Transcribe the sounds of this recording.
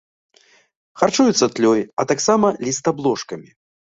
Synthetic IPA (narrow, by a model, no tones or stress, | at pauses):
xart͡ʂujut̪sːɐt̪lʲɔjɐt̪aksamɐlʲist̪ablˠɔʂkɐmʲi